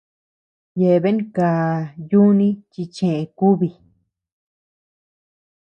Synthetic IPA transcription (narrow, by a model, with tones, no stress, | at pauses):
je˧βe˦ŋ˦kaː˨ju˦nĩ˦t͡ʃi˧t͡ʃẽ˨ʔẽ˧˨ku˦βi˧